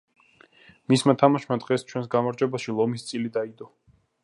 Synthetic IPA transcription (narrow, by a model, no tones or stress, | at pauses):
mismat̪ʰamaʃmad̪ʁɛst͡ʃʰwɛns̬ɡamaɾd͡ʒɛbaʃilˠɔmist̪sʼilid̪aid̪ɔ